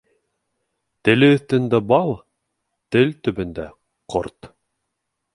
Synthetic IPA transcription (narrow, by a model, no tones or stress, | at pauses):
t̪ɘ̆lɘɵ̆θt̪ɘ̆nd̪æbɑlˠ | t̪ɘlt̪ɵ̆bɘ̆nd̪æ | qʰo̰ɾt̪